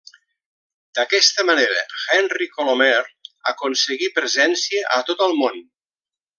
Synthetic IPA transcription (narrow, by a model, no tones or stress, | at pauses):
d̪̥əkɛst̪əmaneɾə̰xɛnrikolomɛɾa̰konsəɣipɾəzɛnsiəʔət̪ot̪əlˠmon